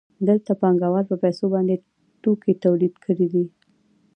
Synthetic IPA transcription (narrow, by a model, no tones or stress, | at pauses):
d̪əlt̪apɑŋɡawɑɾpəpasobɑnd̪e | ʈoket̪awlid̪kʰəɽid̪i